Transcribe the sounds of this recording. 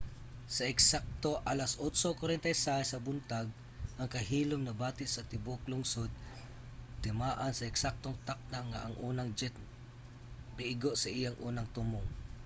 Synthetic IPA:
sɐɛksak̚t̪oʔalasʔosokwaɾɛnt̪ɐjsasɐbʊnt̪aɡ̚ | ʔɐŋkɐɦiːlomnɐbaːt̪ɪʔsɐt̪ɪbʊklʊŋsod̪̚ | t̪ɪmaːʔansɐɛksak̚t̪oŋt̪ak̚naŋa̰ʔɐŋʔuːnɐŋd͡ʒɛt̪̚ | bɪʔɪɡoʔsɐʔɪjaŋʔuːnɐŋt̪umʊŋ

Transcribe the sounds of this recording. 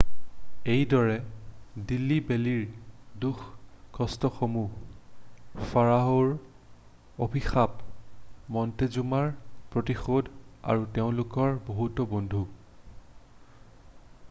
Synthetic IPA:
ejdɔɹɛdilːibeliɹduxʰkʰɔstɔxomu | faɹaɦoɹ | obʱixap̚ | mɔntezumaɹpɹotixodʱa̰ɹuteʊ̃lʊkɔɹboɦutɔbondʱu

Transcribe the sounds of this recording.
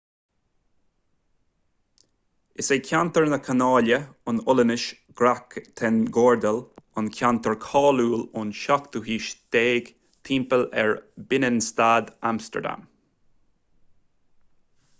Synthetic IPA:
ɪseːkʰant̪əɹnəkʰanɑːləʊnʊlənɪʃ | ɡ̥ɾakt̪ʰɛnɡoːɹd̪əlʊnkʲʰant̪əɹkʰɑːluːlʊnʃakt̪uɦiːʃd̪̥eːɡ̥ | t̪ʰiːmpəlɛ̰ɹbɪnənst̪aːd̪amst̪ə̰ɹd̪a̰m

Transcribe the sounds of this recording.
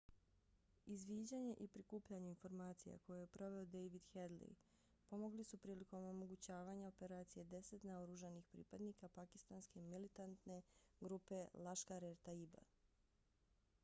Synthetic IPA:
izʋiːd͡ʑaɲe̞ʔipɾikuːpʎaɲeinfo̞ɾmaːt̪sija̰ko̞jejepɾo̞ʋe̞od̪ejʋid̪xed̪lḭ | po̞mo̞ɡlisupɾiːliko̞mo̞mo̞ɡut͡ɕaːʋaɲao̞pe̞ɾaːt̪sije̞d̪e̞se̞t̪naoɾuʒanixpɾḭːpad̪nikapaki̥st̪anske̞milit̪ant̪ne̞ɡɾupe̞lˠaʃkaɾeɾt̪aiba̰

